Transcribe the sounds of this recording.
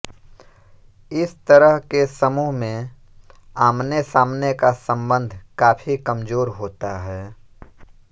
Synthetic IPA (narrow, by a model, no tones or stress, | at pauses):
ɪst̪əɾəɦkesəmuːɦmẽ | aːmnesaːmnekasə̃mbə̃nd̪ʱkaːfʰikəmzoːɾɦoːt̪aɦɛː